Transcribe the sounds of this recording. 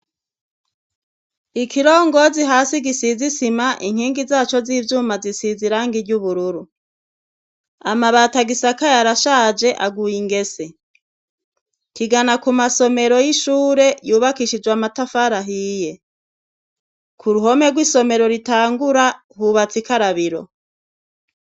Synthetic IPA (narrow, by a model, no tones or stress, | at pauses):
ikʰiɾoːŋɡo̞ziɦaːsiɡisizisimaʔiŋ̥hiːŋɡizaːt͡ʃo̞ziːvjuːmazisiziɾaːŋɡiɾɟuβuɾuɾu | a̰maβataɡisakajaɾaʃaːd͡ʒe̞ʔaɡujiŋɡe̞se̞ | kiɡanakumaso̞me̞ɾo̞jiʃuːɾe̞juːβakiʃid͡ʒwamatafaɾaɦije̞ | kʰuɾuɦo̞me̞ɡwiːso̞me̞ɾo̞ɾitaːŋɡuɾa | huβat͡sikaɾaβiɾo̞̰